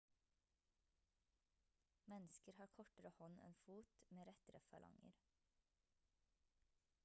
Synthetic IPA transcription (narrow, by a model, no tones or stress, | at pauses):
mɛnskəɾhɑːɾkʰɔʈəɾəhɔnʔɛ̰nfuːt̪meːɾɛt̪ɾəfɑlʔɑ̰ŋə̰ɾ